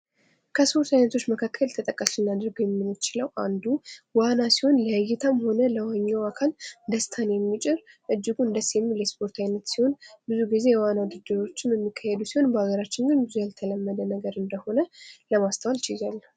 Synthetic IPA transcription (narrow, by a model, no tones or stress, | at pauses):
kʰəspʰo̞ɾt̪ʰajnət̪ʰo̞t͡ʃːməkʰakʰːəlt̪ʰət̪ʼəkʼːəsɨnːad̪əɾɡəjɛmːinːt͡ʃɪləwʔand̪uwanasiho̞nləjajːɛt̪ʰamho̞nələwaɲːawakʰald̪əst̪ʰanjɛmːit͡ʃʼɪɾʔɨd͡ʒːɪɡuɨnd̪əsjɛmːiljɛspʰo̞ɾt̪ʰajnət̪siho̞nbɨzuɡize̞jɛwanad̪ɨd̪ɨɾo̞t͡ʃːɪnjɛmːikʰːahɛd̪usiho̞nbəaɡəɾat͡ʃːɪnɡɨnbɨzujalt̪ʰələmːəd̪ənəɡəɾɨnd̪əho̞nələmast̪ʰawalt͡ʃɪzalː